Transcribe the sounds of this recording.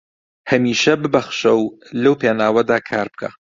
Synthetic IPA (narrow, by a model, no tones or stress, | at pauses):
hɐmiːʃɐbɨbɐxʃɐwlɐwpʰeːnaːwɐd̪aːkʰaːɾbɨkʰa̰